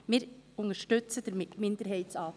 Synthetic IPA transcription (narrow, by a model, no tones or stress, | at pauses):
mɪːɾʊŋəʃtʏt͡səd̥ɛɾmɪndəɾɦɛɪtsɑː